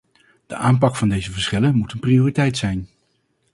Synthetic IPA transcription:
d̥əʔaːmpɑkfɑndejzəvəɹsχɪlənmutənprioːritɛjtsɛjn

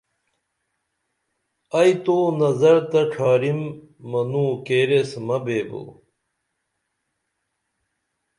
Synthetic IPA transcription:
ɐjt̪oːnɐzɐɾt̪ɐʈ͡ʂʰaːɾimː | ɐnuːkeːɾesmɐbeːbo̰

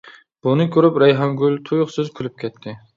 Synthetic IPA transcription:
b̥unɨkʰʲøɾypɾɛjɦɑŋɡʲylt̪ʰujʊχsyzkʲʰylyp̚kʲʰɛt̪ʰːɪ

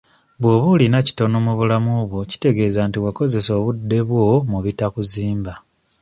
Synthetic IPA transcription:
βwo̞βulinaci̥to̞nomuβulamuβwo̞ci̥te̞ɡe̞ːzantiwako̞ze̞so̞ːβudːe̞βwo̞muβitakuziːmba

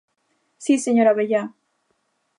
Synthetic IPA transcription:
siseɲoɾaβeja

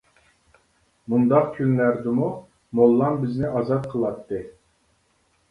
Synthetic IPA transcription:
mund̪ɑq̚kʲʰynlæɾd̪ɪmu | molˠːɑmbɪznɪʔɑzɑt̪̚qʰəlˠɑt̪ːɨ

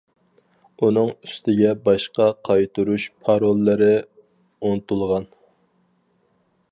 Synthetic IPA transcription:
un̪ɨŋyst̪ɪɡʲɛbɑʃqɑqʰɑjt̪ʰɨɾuʃpʰɑɾolˠːɨɾɪ | unɨt̪ulˠʁɑn

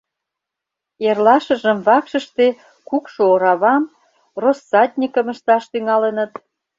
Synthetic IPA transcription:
erlɑʃə̆ʒəmβɑkʃə̆ʃt̪e | kukʃooɾɑβɑm | rosːɑt̪̚ʲnʲikəmə̆ʃt̪ɑʃt̪yŋɑlənə̆t̪

